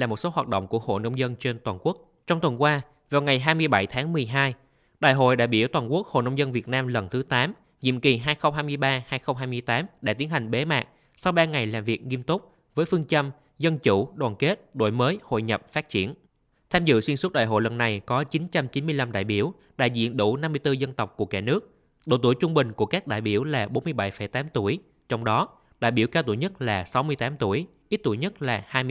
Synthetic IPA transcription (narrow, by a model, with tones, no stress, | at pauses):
laː˨˩mo˨˩t̚so˨˦ɦwaː˨˩t̚ɗə̰˧˨ŋ͡mku˧˩əho̰˧˨nə˧wŋ͡mzə˧nt͡ɕe˧nt̪waː˨˩nku˦˥ək̚ | t͡ɕɔ˧wŋ͡mt̪wə˨˩nkwaː˧ | vaː˨˩wŋa˨˩jɦaː˧jmɨ˧əjɓa˧˩jt̪ʰaː˨˦ŋmɨ˨˩əjɦaː˧j | ɗa̰ː˧˨jɦo̰˧˨jɗa̰ː˧˨jɓi˧˩əwt̪waː˨˩nku˦˥ək̚ho̰˧˨nə˧wŋ͡mzə˧nvi˨˩ət̚naː˧mlə˨˩nt̪ʰɨ˨˦t̪aː˨˦m | ɲḭ˧˨əmki˨˩ɦaː˧jxə˧wŋ͡mɦaː˧jmɨ˧əjɓaː˧haː˧jxə˧wŋ͡mɦaː˧jmɨ˧əjt̪aː˨˦mɗa̰ː˧t̪i˨˦ənha˨˩jŋ̟ɓe˨˦ma̰ː˨˩k̚ | sa˧wɓaː˧ŋa˨˩jlaː˨˩mvi˨˩ək̚ŋi˧əmt̪ʊ˦˥k͡p̚ | vəː˨˦jfɨ˧əŋt͡ɕə˧m | zə˧nt͡ɕu˧˩ɗwaː˨˩nke˦˥t̚ɗo̰˧˨jməː˨˦jho̰˧˨jɲə˨˩p̚faː˦˥t̚t͡ɕḭ˧˩ən | t̪ʰaː˧mzɨ̰˧˨swi˧əsu˦˥t̚ɗa̰ː˧˨jɦo̰˧˨jlə˨˩nːa˨˩jkɔ˨˦t͡ɕi˨˦nt͡ɕa˧mt͡ɕi˨˦nmɨ˧əjla˧mɗa̰ː˧˨jɓi˧˩əw | ɗa̰ː˧˨jzḭ˧˨ənɗu˧˩na˧mːɨ˧əjt̪ɨ˧zə˧nt̪ə˨˩wk͡p̚ku˧˩əkaː˧˩nɨ˦˥ək̚ | ɗo̰˧˨˩t̪u˧˩əjt͡ɕʊ˧ŋ͡mɓï˨˩ŋ̟ku˧˩əkaː˦˥k̚ɗa̰ː˧˨jɓi˧˩əwlaː˨˩ɓo˨˦nmɨ˧əjɓa˧˩jfə˧˩jt̪aː˨˦mt̪u˧˩əj | t͡ɕwŋ͡mɗɔ˨˦ | ɗa̰ː˧˨jɓi˧˩wkaː˧wt̪u˧˩jɲə˦˥t̚laː˨˩sa˨˦wmɨ˧əjt̪aː˨˦mt̪u˧˩əjʔi˦˥t̚t̪u˧˩jɲə˦˥t̚laː˨˩haː˧j